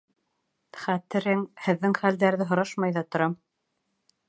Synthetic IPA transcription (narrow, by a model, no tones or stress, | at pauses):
χæt̪ɘ̆ɾɘŋhɘ̆ðːɘŋχæld̪æɾðɘɦŏɾɑʃmɑjðɑt̪ŏɾɑm